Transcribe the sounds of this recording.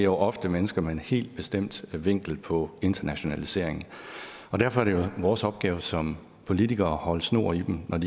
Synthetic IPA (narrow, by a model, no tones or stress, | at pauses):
joʊʔɒ̽fd̥əmenəsɡ̥ɐmeenhe̝̰ːld̥̚b̥e̝sd̥em̰d̥ʋe̝ŋ̰ɡ̥l̩pʰɒ̽e̝nd̥ɐnæɕo̝nælise̝ɐ̰e̝ŋn̩ | ɒ̽d̥æɐ̰fɒ̽æɐɾ̥ejoʋɒːsɒ̽b̥̚ɡ̥ɛːʊsɒ̽m | pʰo̝lit͡siɡ̥ɐːhɒ̽ləsno̝̰ːɐ̰id̥em̩nɒdi